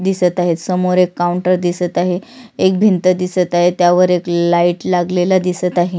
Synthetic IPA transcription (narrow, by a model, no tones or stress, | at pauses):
d̪isət̪aɦet̪səmoɾekːauɳʈəɾd̪isət̪aɦeek̚bʱint̪əd̪isət̪aɦet̪jaʋəɾeklaiʈlaɡlelad̪isət̪aɦe